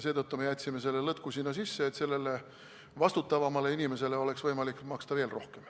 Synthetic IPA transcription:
se̞ːd̪ɤt̪ːume̞jæt̪ʲːsime̞se̞lːelɤt̪̚kusinːɑsisːeːt̪se̞lːe̞le̞ | vɑst̪ut̪ːˑɑvɑmɑle̞inime̞se̞le̞o̞le̞ksvɤjmɑlikːmɑkst̪ɑveːlro̞hke̞m

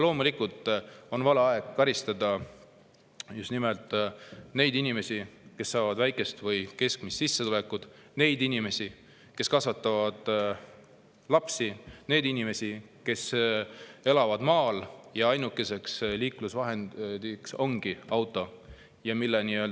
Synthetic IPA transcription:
lo̞ːmulikult̪ˑo̞nvɑleɑe̞ɡ̥kɑɾist̪ɑd̪ɑ | just̪nimelt̪ˑːne̞jd̪inime̞sike̞sːɑːvɑd̪væjkˑe̞st̪vɤjke̞skmist̪sisːeule̞kud̪̥ne̞jd̪inʲime̞si | ke̞skɑsvɑt̪ːˑɑvɑd̪̥ | lɑpsine̞jd̪inime̞si | ke̞s | e̞lɑvɑd̪̥mɑːljɑɑjnukːˑe̞se̞ksliːklusvɑɦe̞nd̪̥ikso̞ŋɡ̥iɑwt̪ːˑo̞ | jɑmilːeniøːl

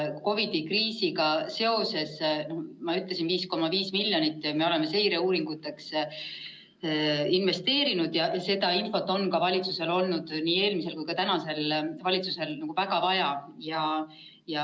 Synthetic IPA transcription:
ko̞vid̪ikriːsiɡɑse̞o̞se̞sno̞hmɑyt̪ˑlesinviːsko̞mɑviːsmilʲjo̞nit̪ːˑme̞o̞le̞me̞se̞jɾe̞uːɾiŋɡ̥ut̪ːˑe̞ks | inve̞st̪e̞ːɾinud̪jɑjɑse̞d̪̥ɑinfo̞t̪ːˑo̞nkɑvɑlʲit̪suse̞lo̞lnud̪̥niːe̞ːlmise̞lkujkɑt̪ænɑse̞lvɑlʲit̪suse̞lnɑɡ̥uvæɡ̥ɑvɑjɑjɑ | jɑ

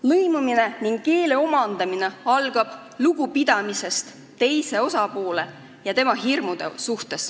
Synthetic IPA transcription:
lɤjmumine̞niŋɡ̥ke̞ːle̞o̞mɑnd̪̥ɑmine̞ɑlɡ̥ɑb̥ | luɡ̥upid̪̥ɑmise̞st̪ | t̪ːe̞jse̞o̞sɑpo̞ːle̞ | jɑt̪e̞mɑɦirmud̪̥e̞̰suht̪e̞s

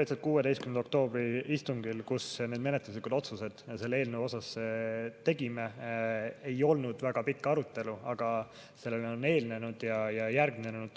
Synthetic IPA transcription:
et̪set̪̚kuːe̞d̪e̞jst̪kymenok̚t̪o̞ːb̥ɾiist̪uŋɡilkusne̞ːd̪me̞net̪lus̬likud̪o̞t̪suse̞d̪̥se̞lːe̞ːlnevo̞sɑset̪e̞ɡime | e̞jo̞lnud̪̥væɡ̥ɑpikːɑɾut̪ːˑe̞luɑɡ̥ɑ | se̞lːelonːe̞ːlne̞nud̪̥jɑjɑjæɾɡminenenud̪̥

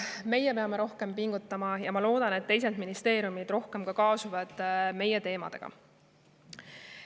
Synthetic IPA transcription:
me̞jepe̞ɑme̞ɾo̞hke̞mpiŋɡ̥ut̪ˑːɑmɑjɑmɑlo̞ːd̪̥ɑne̞t̪ːe̞js̬ed̪minist̪e̞ːɾijumid̪̥ro̞hke̞mkɑkɑːsuvɑd̪̥me̞je̞t̪e̞ːmɑ̰d̪̥e̞̰ɡ̥ɑ̰

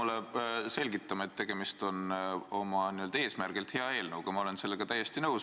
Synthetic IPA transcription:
ulese̞lʲɡit̪ːɑmɑe̞t̪ːe̞ɡ̥e̞mist̪o̞no̞mɑniø̞ld̪ɑeːsmærɡ̥ilt̪he̞ɑe̞ːlnəwɡ̥ɑmɑo̞le̞nse̞lːeɡ̥ɑt̪æjːe̞st̪inɤws

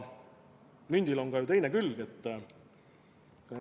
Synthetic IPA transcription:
mynʲd̪̥iloŋɡ̥ɑjut̪e̞jnekylɡ̥et̪ː

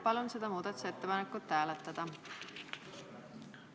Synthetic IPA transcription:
pɑlunse̞d̪ɑmuːd̪̥ɑt̪u̥seet̪ːepɑnekːut̪ːæːlet̪ːˑɑd̪̥ɑ

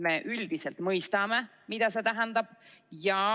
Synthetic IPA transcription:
me̞ːʔyld̪̥iselt̪mɤjst̪ɑme | mid̪̥ɑse̞t̪æɦænd̪ɑb̥jɑ

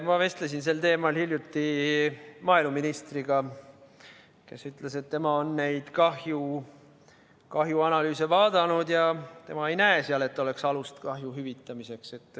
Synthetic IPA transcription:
mɑve̞st̪les̬ins̬e̞lt̪e̞ːmɑlhiljut̪ːi | mɑːilmuminist̪riɡ̥ɑ | ke̞̰syt̪ˑlese̞t̪ːe̞mɑo̞nːne̞jd̪̥kɑhju | kɑɦjuɑnɑlyːse̞vɑːd̪̥ɑnud̪̥jɑt̪e̞mɑe̞jnæeseɑle̞t̪ːˑo̞le̞ksɑlust̪kɑɦjuɦyvit̪ːˑɑmise̞kse̞t̪ːˑ

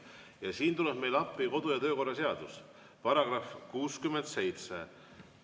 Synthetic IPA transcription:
jɑsiːnt̪ulɛb̥me̞jlɑpːˑiko̞d̪̥ujɑt̪ø̞ːko̞rːɑse̞ɑd̪̥us | pɑɾɑɡ̥rɑfkuːskymːend̪̥se̞jt̪sḛ

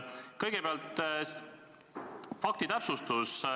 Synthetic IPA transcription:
kɤjɡ̥epeɑlt̪ | fɑk̚t̪it̪æpsust̪us

